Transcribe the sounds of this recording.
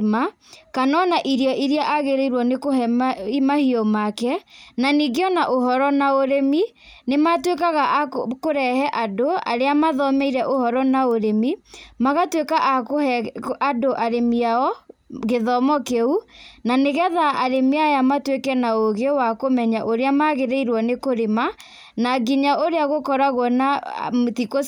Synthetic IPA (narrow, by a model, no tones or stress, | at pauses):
ma | kanɔnaʔiɾiɔʔiɾjaʔaɣeɾeiɾwɔnekoimahiɔmakɛnaniɣeɔnaʔoɦɔɾɔnaoɾemi | nematwekaɣakoɾɛhɛʔadoa̰ɾeamaðɔmɛiɾɛʔohɔɾɔnaoɾemimaɣatwekaʔk | adoʔaɾemiaɔɣeðɔmɔkeunaneɣɛðaaɾemiajamatwekɛnaoɣewakomɛɲaʔoɾeamaɣeɾeiɾwɔnekoɾema | naɣiɲaʔoɾeaɣokɔɾaɣwɔnatiko